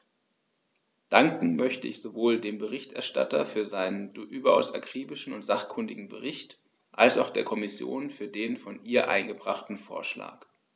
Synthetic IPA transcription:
d̥aŋkŋ̩mœçtəʔɪçz̥ovoːldeːmbəʁɪçtʔɛɐʃta̰tɐ̰fyːɐzaɪnəndʔyːbɐʔa̰ʊsakʁ̥iːbɪʃn̩ʊntz̥aχkʰʊndɪɡŋ̩bə̰ʁɪçt | ʔalsaʊxd̥eːɐkʰɔmɪsjo̰ːnfyːɐdeːnfɔnʔiːɐʔa̰ɪnɡəbʁaχtn̩fo̰ːɐʃla̰ːk

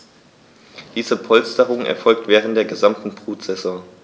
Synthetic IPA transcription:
d̥iːzəpʰɔlstəʁʊŋɛ̰ɐfɔlk̚tv̥ɛːʁ̞ənt̚d̥eːɐɡəzamtn̩pʁ̥uːtz̥ɛzɔ

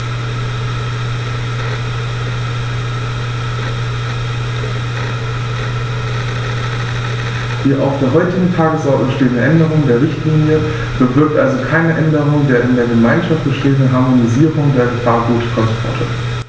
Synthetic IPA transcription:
hiːɐʔa̰ʊfd̥eːɐɦɔʏtɪɡŋ̩tʰaːɡəsʔɔɐtn̩əəʃteːtnəʔɛndəʁ̞ʊŋdeːɐʁɪçtliːnjə | b̥əvɪɐk̚tʔalzokʰaɪnəʔɛndəʁ̞ʊŋdeːɐʔɪndeːɐɡəmaɪnʃaft̚b̥əʃteːəndənɦaɐmoniziːʁʊŋdeːɐɡəfaːɐɡuːtfʁɔnsfɔ̰ɐtʰə̰

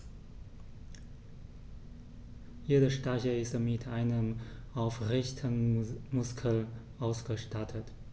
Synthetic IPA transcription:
jeːdəʃtaçəɪstmɪtʰʔaɪnəmʔaʊfʁɪçtʰənmʊskʰəlʔaʊsɡ̥əʃtatʰət

